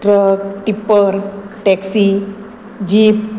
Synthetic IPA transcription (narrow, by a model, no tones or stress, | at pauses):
ɖɾəɡʈipəɾʈɛksi | d͡ʑip